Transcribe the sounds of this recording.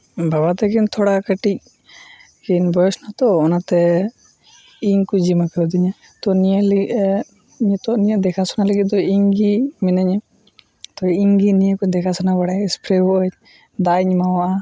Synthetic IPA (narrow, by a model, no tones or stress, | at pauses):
baβat̪ɛkint̪ʰɔɽakəʈic̚ | kɛnbɔjɔsnat̪ɔːnat̪ɛ | iɲkud͡ʒimakəɾd̪iɲa | t̪ɔnil | ɲt̪ɔnijad̪ɛkʰasɔnaləɡit̪̚d̪ɔiŋɡimɛnəɲɛ | t̪ɔiŋɡinijakud̪ɛkʰasɔnabaɽaɛspɾɛbɔʔə | d̪aiɲmawaʔa